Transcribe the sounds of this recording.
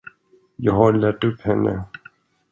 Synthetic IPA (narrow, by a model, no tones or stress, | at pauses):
jɑːɡɦaɾɭæʈːɵpːhɛnːə̰